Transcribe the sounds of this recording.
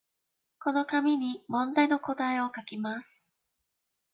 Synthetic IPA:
ko̞no̞kamʲiɲ̟imõ̞nd̪aino̞ko̞t̪aio̞kakʲimasɨ̥

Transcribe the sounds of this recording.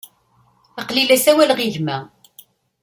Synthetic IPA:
ɑqlilæsæwælʁiʝmæ

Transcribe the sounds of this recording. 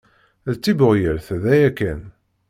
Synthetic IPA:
ðt͡sːibəʁjəɾθðæjækːæn

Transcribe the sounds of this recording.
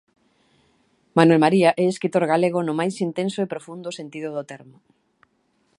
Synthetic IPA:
manwɛlmaɾiaʔɛeskɾit̪oɾɣaleɣ̞ʊnʊmajsint̪ensʊepɾofund̪ʊsent̪iðʊðʊt̪ɛɾmʊ

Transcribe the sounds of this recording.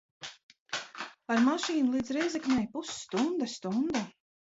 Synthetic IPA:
aɾmaʃiːnulˠiːd̪zɾɛjzɛknʲɛjpusːt̪und̪ast̪und̪a

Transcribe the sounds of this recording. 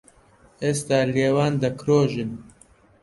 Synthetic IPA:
eːst̪aːleːwaːnd̪ɐkɾoːʒɨn

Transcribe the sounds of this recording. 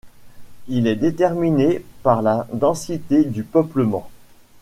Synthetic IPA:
ilɛd̪et̪ɛʁminepaʁlad̪ɑ̃sit̪ed̪ypœpləmɑ̰̃

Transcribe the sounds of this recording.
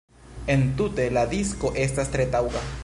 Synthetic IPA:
e̞nt̪ute̞lad̪isko̞ʔe̞stast̪ɾet̪awɡa

